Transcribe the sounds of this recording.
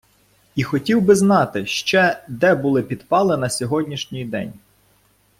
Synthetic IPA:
ixɔtʲiwbɪznɑt̪ɪʃt͡ʃɛd̪ɛbulˠɪpʲid̪pɑlˠɪnɐsʲɔɦɔdʲnʲiʃnʲijd̪ɛ̰nʲ

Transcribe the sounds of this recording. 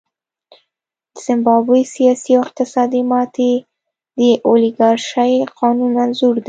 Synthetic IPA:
d̪əz̥ɪmbɑbesijɑsiawɪq̚t̪ɪsɑd̪imɑt̪e | d̪əʔolɪɡɑɾʃaqʰɑnunanzuɾd̪i

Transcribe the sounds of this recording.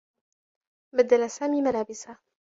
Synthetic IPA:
bad̪alasaːmiːmalaːbɪsa

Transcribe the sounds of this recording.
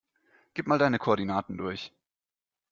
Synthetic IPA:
ɡ̥iːp̚maːldaɪnəkʰoʔːɐdinaːtn̩dʊɐç

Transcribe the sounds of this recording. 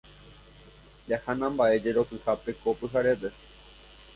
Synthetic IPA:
jahanãmbaʔe̞d͡ʒeɾo̞kɨhape̞kopɨɦaɾepe̞

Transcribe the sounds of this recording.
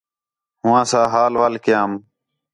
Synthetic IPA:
ɦʊʋãːsãːɦaːlʋaːlkɪjãːm

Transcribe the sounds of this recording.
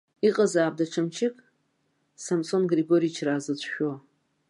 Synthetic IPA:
iqʼazaːb̚daʈ͡ʂʰamt͡ʃʰɪkʼ | samsonɡriɡoɾijt͡ʃʰraːzɨt͡ɕʷʰʼʃᶣo

